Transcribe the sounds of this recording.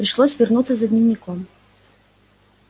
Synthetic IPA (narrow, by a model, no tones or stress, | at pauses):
pɾʲɪʂlˠosʲvʲɪrnut̪səzɐdʲnʲɪvnʲɪkɔm